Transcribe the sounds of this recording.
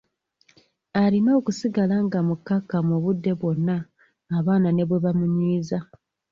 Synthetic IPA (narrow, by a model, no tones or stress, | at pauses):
aɾino̞ːkusiɡalaŋɡamukːakːamuβudːe̞βwo̞nːaː | βaːnane̞βwe̞βamuɲiːza